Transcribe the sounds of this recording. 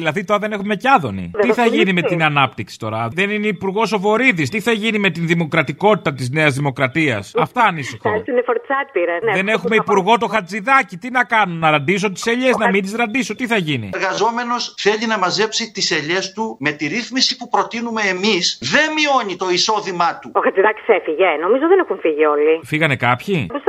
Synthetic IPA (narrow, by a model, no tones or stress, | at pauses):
ðilɐðit̪o̞ɾɐðe̞ne̞xumemecɐðo̞̰nḭiθɐʝinimet̪inɐnɐpt̪iksi̥t̪o̞ɾɐ̰ðe̞nineipuɾɣo̞so̞vo̞ɾiðist̪iθɐʝinime̞t̪inðimo̞kɾɐt̪iko̞t̪i̥t̪ɐt̪izne̞ɐzðimo̞kɾɐt̪iɐ̰sɐft̪ɐːnisixonefoɾtsɐk̚piɾɐðenexumeipuɾɣo̞t̪o̞xɐd͡ziðɐcit̪inɐkɐnunːɐɾɐnd̪is̬ot̪i̥se̞ʎe̞znɐmind̪izɾɐnd̪isot̪iθɐʝinḭɾɣɐzo̞me̞no̞sθe̞ʎinɐmɐze̞psit̪iseʎe̞st̪ume̞t̪iɾiθmisipupɾo̞t̪inume̞ːmisðe̞nmio̞ɲit̪o̞iso̞ðimɐt̪uoxɐt͡siðɐci̥sefiʝeno̞mizoðenexuɱfiʝio̞lifiɣɐne̞kɐpçipus